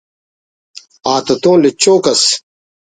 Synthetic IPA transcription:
aːt̪ot̪õːlet͡ɕoːkɐs

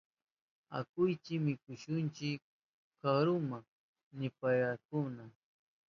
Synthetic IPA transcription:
a̰kʊjt͡ʃɪmɪkʊʃʊnt͡ʃɪk | kaɾʊma | nɪpajɾakʊna

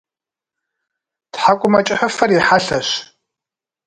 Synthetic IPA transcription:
tħakʷʼʊmɐt͡ʃʼɪħʊfɐriħaɬɐɕ

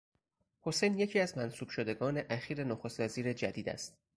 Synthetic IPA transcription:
ho̞se̞jnje̞cʰiːæzmænsuːb̥ʃo̞d̪e̞ɡɒːne̞ʔæxiːɾe̞noxost̪væziːɾe̞d͡ʒæd̪iːd̪æ̰st̪

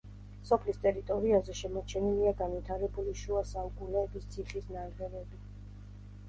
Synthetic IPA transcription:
sɔpʰlist̪ʼɛɾit̪ʼɔɾiazɛʃɛmɔt͡ʃʰɛniliaɡanvit̪ʰaɾɛbuliʃuasaukʼunɛːbist̪sʰiχisnanʁɛvɛbi

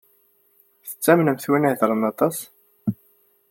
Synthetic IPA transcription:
θə̥t͡sːæmnəmθwiniθɾˤənɑt̪ˤɑs

